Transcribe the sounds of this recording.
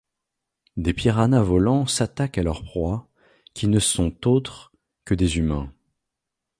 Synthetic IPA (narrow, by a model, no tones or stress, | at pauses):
d̪epiʁanavɔlɑ̃sat̪akalœʁpχwa | kʲʰinəsɔ̃t̪ot̪χ | kəd̪ezymɛ̃